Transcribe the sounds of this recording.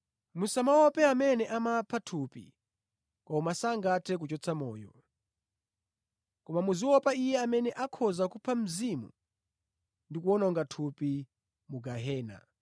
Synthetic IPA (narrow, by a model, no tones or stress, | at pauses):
musamawɔpɛamɛnɛʔamapʰatʰupḭ | kɔmasaŋɡatʰɛk̬ut͡ʃɔt͡sʰamɔːjɔ̰ | kɔmamuziwɔpaijɛamɛnɛʔakʰɔzakupʰam̩zimṵ | ndikuwɔnɔŋɡatʰupi | muɡaɦɛːna̰